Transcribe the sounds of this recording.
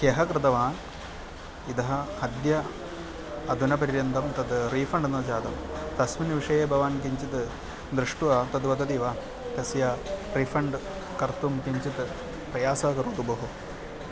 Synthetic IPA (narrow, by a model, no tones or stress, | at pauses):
keɦɐkɾɨt̪ɐʋaːn | id̪ɐɦɐhɐd̪jɐ | ɐd̪ʱunɐpɐɾiɾjɐnd̪ɐmt̪ɐd̪ɾiːfɐɳɖnɐd͡ʒaːd̪ɐmt̪ɐsminʋiʂɐjeːbʱɐʋaːnkiɲt͡ʃit̪ɨ | d̪ɾɨʂʈuɐːt̪ɐd̪ʋɐd̪ɐt̪iʋaː | k̪ɐsjarifɐɳɖ | kɐɾt̪umkiɲt͡ʃit̪ɨ | pɾɐjaːsaːkɐɾut̪ubɐɦu